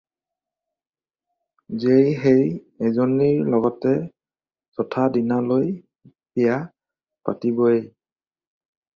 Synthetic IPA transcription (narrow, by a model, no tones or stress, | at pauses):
zejɦej | ɛzoniɹlɔɡɔtɛ | sɔtʰadinaloj | tʰija | pa̰tibɔe